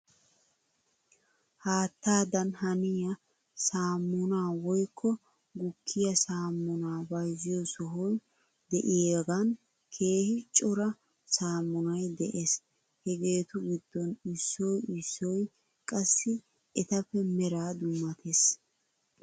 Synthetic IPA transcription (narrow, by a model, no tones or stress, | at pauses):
haːt̪ːaːd̪ɐnhɐnɪjɐ | saːmːʊnaːwɔjkʰːɔ | ɡʊkʰːɪjɐsaːmːʊnaːbɐjzɪjɔsɔɦɔj | d̪ɛʔɪjeɡan | kʰe̞ːhɪt͡ʃʼɔɾɐ | saːmːʊnɐjd̪ɛʔes | hɛɡe̞ːt̪ʊɡɪd̪ːɔnɪsːɔjɪsːɔj | kʼɐsːɪ | ɛt̪ɐfːɛmɛɾaːd̪ʊmːɐt̪ʰes